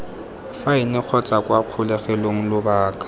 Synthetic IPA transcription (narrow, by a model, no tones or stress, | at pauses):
faɪnɪk͡xʰɔt͡sʼakʼwaq͡χʰʊlɛχɛloŋ̩lʊbaːkʼḁ